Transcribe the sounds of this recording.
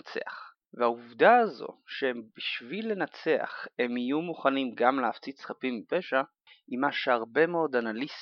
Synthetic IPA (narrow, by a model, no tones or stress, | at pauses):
t͡se̞̰a̰χ | veauvdaazo̞̰ʃeembiʃvilːe̞nat͡se̞a̰χe̞mijumuχanimɡamleaft͡sitsχapimipe̞ʃa | imaʃeaʁbe̞meo̞d̪analis